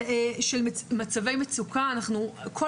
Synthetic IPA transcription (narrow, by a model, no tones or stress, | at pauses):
ʃelmat͡save̞jmet͡sukaːnaχnukʰo